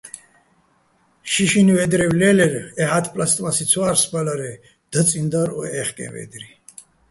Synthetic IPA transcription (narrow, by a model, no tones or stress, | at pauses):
ʃiʃinivɛd̪ɾɛwlɛlɛɾɛɦat̪ʰpʼlast̪ʼmasit̪sʰwaɾspbalaɾɛ | d̪̥ət͡sʼind̪aɾɔ̰ɛχkʼɛ̰nvɛ̰d̪ɾi